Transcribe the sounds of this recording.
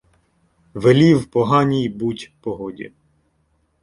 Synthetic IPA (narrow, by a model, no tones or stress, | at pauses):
ʋelʲiwpɔɦɑnʲijbutʲpɔɦɔdʲḭ